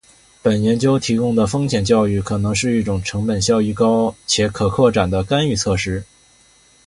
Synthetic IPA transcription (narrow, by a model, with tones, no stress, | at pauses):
pə˨˩njɛ˧˥nt͡ɕjo˥ʊt̪ʰi˧˥kʊ˥ŋd̪ə˨fɤ˥ŋɕʰjɛ˨˩nt͡ɕjɑ˥˧ʊy˥˩kʰɤ˨˩nɤ˧˥ŋʂɻ̩˥˧i˥˩ʈ͡ʂʊ˨˩ŋʈ͡ʂʰɤ˧˥ŋpə˨˩nɕjɑ˥˧ʊy˥˩kɑ˥ʊt͡ɕʰjɛ˧˥kʰɤ˨˩kʰwɔ˥˩ʈ͡ʂa˨˩nd̪ə˦ka˥ny˥˧t͡sʰɤ˥˩ʂɻ̩˥